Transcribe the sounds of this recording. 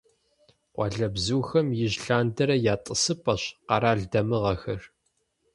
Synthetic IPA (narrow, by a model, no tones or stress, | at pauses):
qʷʼɑ̰ɮɐbzuːxɐmjɪʑɬaːndɐɾɐjaːtʼəsɨpʼɐɕqɑɾaːɮdɐmɨʁɐxɐr